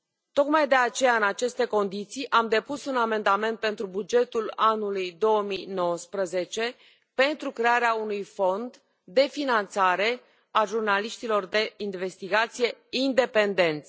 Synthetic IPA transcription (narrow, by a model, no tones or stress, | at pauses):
t̪o̞kmajd̪e̞at͡ʃe̞jaɨnat͡ʃe̞st̪e̞ko̞nd̪it̪sijʔamd̪e̞pusuname̞nd̪ame̞nt̪̚pe̞nt̪ɾubud͡ʒe̞t̪ulanulujd̪o̞əmijno̞wəspɾəze̞t͡ʃe̞ | pe̞nt̪ɾukɾe̞aɾeaunujfo̞nd̪ː | e̞finant̪saɾe̞ | aʒurnaliʃt̪ilo̞rd̪e̞inve̞st̪iɡat̪sije̞ind̪e̞pe̞nd̪e̞nt̪sʲ